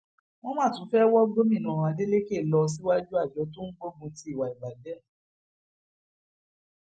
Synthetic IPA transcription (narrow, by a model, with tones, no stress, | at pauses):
w̃ɔ̃˦mã˦˨tũ˨˦fɛ˦wɔ˦ɡo˦mĩ˦˨nũ˨˧˨de˦le˦ke˦˨lɔ˧s̬i˦wa˦d͡ʒu˦a˦˨d͡ʒɔ˨˦to˦n̩˦ɡ͡bo˦ɡũ˧˦ti˦i˦˨wa˨i˨ɡ͡ba˨dɛ˨˦